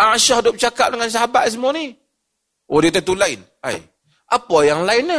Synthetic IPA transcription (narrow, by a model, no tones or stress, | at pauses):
aʃahdʊp̚t͡ʃakap̚dəŋans̬aɦabaʔ̪̚s̬əmuani | ʔodit̪at̪ulaɪn | a̰j | ʔapɔjaŋlaɪna